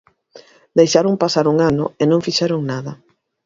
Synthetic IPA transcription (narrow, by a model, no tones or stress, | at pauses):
d̪ejʃaɾoŋpasaɾuŋanʊ̰enõŋfiʃɛɾʊŋnaðɐ